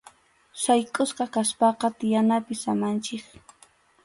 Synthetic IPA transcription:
sajkʼʊsqɑkaspɑqɑt̪ɪjanapɪsamant͡ʃɪk

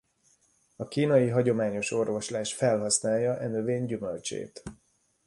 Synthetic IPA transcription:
ɒkiːnɒjiɦɒɟo̞maːɲo̞ʃo̞rvo̞ʃlaːʃfɛlɦɒsnaːljːɒʔɛnøveːɲɟymølt͡ʃḛːt̪

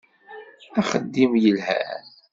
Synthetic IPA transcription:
æχəd̪ːimjəlhæ̰

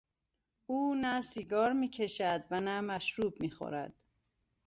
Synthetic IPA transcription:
uːnæsiːɡɒːɾmiːcʰe̞ʃæd̪vænæmæʃɾuːb̚miːxo̰ɾæ̰d̪̥

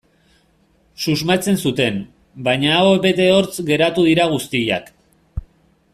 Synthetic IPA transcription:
suzmat͡se̞nsut̪e̞m | bajɲaːoeβe̞t̪e̞o̞ɾt͡sɡe̞ɾat̪uð̞iɾaɣ̞ust̪ija̰k

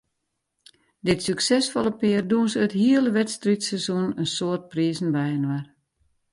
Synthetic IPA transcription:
dɪtsyksɛsfɔlˠəpɪərduənsəthiələʋɛtstritsɛzunənsoərt̚priəzn̩bɛjənwar

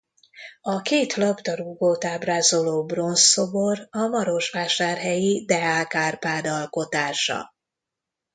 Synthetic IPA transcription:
ɒkeːt̪lɒpt̪ɒɾuɡoːt̪aːbraːzoloːbro̞nso̞borɒmɒɾo̞ʃʋaːʃaːrɦɛjid̪ɛaːlkaːrpaːd̪ɒlko̞t̪aːʃɒ̰

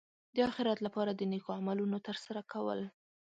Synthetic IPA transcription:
d̪əɑxɪɾat̪lapɑɾad̪ənekoamalunot̪əɾsaɾakawə̰l

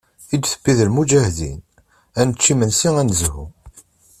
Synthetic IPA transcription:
id̪θə̥bːiðəlmud͡ʒæhðḭn | ænət͡ʃːimənsiænzhu

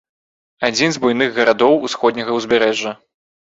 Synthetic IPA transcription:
ad͡zʲinzbujnɨɣɣɐɾad̪ɔwusxɔd̪ʲnʲɐɣɐwzʲbʲɛɾɛʐːɐ

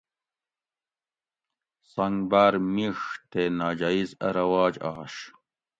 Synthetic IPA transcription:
sɐŋɡbaːɾmiʂt̪enaːd͡ʑaizɐ̰ɾɐwaːd͡ʑaːʂ

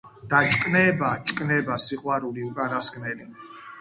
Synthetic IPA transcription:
d̪̥at͡ʃʼkʼnɛbat͡ʃʼkʼnɛbasiqʼwaɾuliukʼanasɡnɛli

